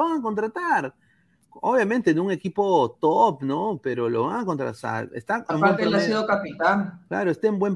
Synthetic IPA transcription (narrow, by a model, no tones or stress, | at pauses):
βaŋako̞nt̪ɾat̪aɾ | oβjamẽ̞nt̪enuŋe̞kipo̞t̪opno̞pe̞ɾo̞lo̞̰βaŋako̞nt̪ɾa̰t̪a̰ɾḛst̪aembatmeaesiðokapit̪aŋkla̰ɾo̞est̪eːmbwe̞m